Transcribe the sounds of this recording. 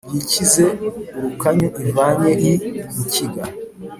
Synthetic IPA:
bjicize̞uɾukaɲuʔiɱvaɲeɾiiciɡa

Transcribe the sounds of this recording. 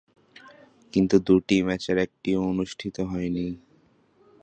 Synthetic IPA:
kint̪ud̪uʈimɛt͡ɕeɾɛk̚ʈioonuʃʈʰit̪oɦɔeni

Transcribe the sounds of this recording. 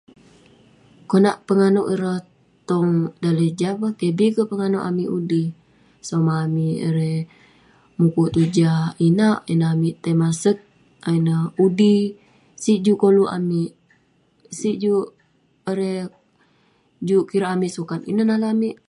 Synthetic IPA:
konaʔpəŋanoʔiɾə | t̪ɔŋdaləd͡ʒapəkebikəpəŋanoʔa̰miʔudi | somaːmiəɾe | mukut̪ud͡ʒainaʔinaamiʔt̪əmasək̚ | ainəudi | siʔd͡ʒukoluʔa̰miʔ | siʔd͡ʒu | əɾe | d͡ʒukiɾaːmiʔsukanḭnənalaamiʔ

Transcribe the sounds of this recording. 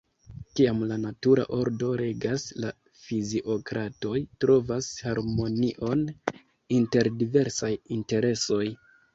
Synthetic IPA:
kiamlanatuɾa̰ʔo̞ɾdo̞ɾe̞ɡasla | fiziʔo̞kɾato̞jtɾo̞vashaɾmo̞niʔo̞n | inte̞ɾdive̞ɾsajinte̞ɾe̞so̞j

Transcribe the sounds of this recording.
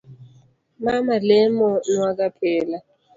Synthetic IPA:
mamalɛmɔnwakapʰɛːla

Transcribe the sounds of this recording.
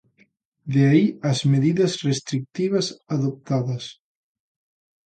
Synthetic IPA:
d̪eaiazmeðiðɐzrest̪ɾik̚t̪iβ̞asaðop̚t̪aðas

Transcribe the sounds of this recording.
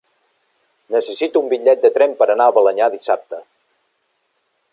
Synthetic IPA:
nəsəsit̪uːmbiʎʎɛt̪̚d̪ət̪ɾɛmpəɾənaəβələɲaðisap̚t̪ə

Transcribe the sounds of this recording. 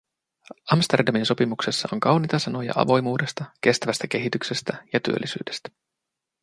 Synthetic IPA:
ʔɑmst̪erdɑminso̞pimukse̞sːɑo̞ŋkɑwnit̪ɑsɑno̞jɑ̰ʔɑ̰ʋo̞jmuːde̞st̪ɑk̟e̞st̪æʋæst̪æk̟e̞ɦit̪ykse̞st̪æjɑt̪y̰ølːisy̰ːdest̪æ̥

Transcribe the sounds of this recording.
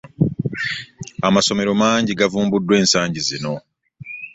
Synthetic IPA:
amaso̞me̞ɾo̞maːɲɟiɡavuːmbudːwe̞ːnsaːɲɟizino

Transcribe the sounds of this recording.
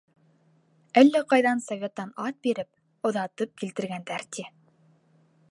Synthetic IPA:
ælːæqɑjðɑnsɐvʲet̪ːɑnɑt̪̚biɾɘp̚ | ŏðɑt̪ɤp̚kilt̪ɘ̆ɾɡænd̪æɾt̪ʲi

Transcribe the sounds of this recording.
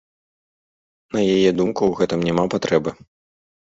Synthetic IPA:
nɐjajɛd̪umkuwɣɛt̪ɨmnʲɛmapat̪ɾɛbɨ

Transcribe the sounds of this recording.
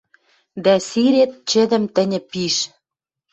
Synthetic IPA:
d̪æsiɾet̪̚t͡ɕɘ̆d̪ɘ̆mt̪ɘ̆nʲɘ̆piʃ

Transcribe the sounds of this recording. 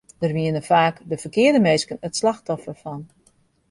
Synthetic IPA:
d̥ərʋiənəfaːkdəfərkɪərdəmeːskənətslaxtɔfərfɔn

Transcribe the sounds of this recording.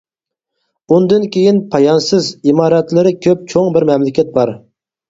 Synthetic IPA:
und̪ɨnkʲʰejinpʰɑjɑnsɨzimɑːɾɛt̪lɪɾɪkʲʰøp̚t͡ʃʰoŋbɪɾmɛmlɪkʲʰɛt̪̚bɑɾ

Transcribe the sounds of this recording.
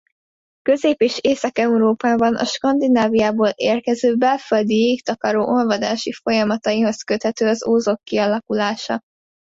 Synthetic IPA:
køzeːpeːʃeːsɒkɛuɾoːpaːbɒnʔɒ̰ʃkɒnd̪inaːvijaːboːleːrkɛzøːbɛlføld̪ijekt̪ɒkɒɾoːʔo̞lvɒd̪aːʃifo̞jɒmɒt̪ɒjiɦo̞skøt̪hɛt̪øːɒzoːzokːiɒlɒkulaːʃɒ̰

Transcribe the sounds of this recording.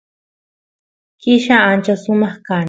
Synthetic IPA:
kɪʃaant͡ʃasʊmaχka

